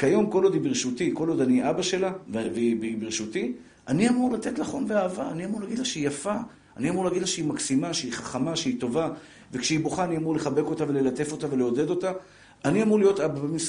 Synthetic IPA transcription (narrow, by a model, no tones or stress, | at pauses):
kajo̞mko̞lo̞d̪ibiʁʃutiko̞lo̞d̪aniʔabaʃe̞lavveibibiʁʃuti | aniamuʁlat̪e̞tlaχo̞nveaːvaːniamuʁlaɡid̪laʃeijafaː | niamuʁleaɡid̪laʃeimaksimaʃeiχaχamaʃeito̞va | vekʃeiboχaːniamuʁle̞χabe̞ko̞tave̞le̞lat̪e̞fo̞t̪ave̞leo̞d̪e̞d̪o̞ta | aniamuʁlijo̞t̪ababemis